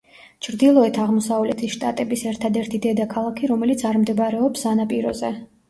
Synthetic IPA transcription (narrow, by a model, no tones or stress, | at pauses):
t͡ʃʰɾd̪ilˠɔɛt̪ʰaʁmɔsavlɛt̪ʰisʃt̪ʼa̰t̪ʼɛbisɛɾt̪ʰad̪ɛɾt̪ʰid̪ɛd̪akʰalˠakʰiɾɔmɛlit̪sʰaɾmd̪ɛbaɾɛɔpsanapʼiɾɔ̰zɛ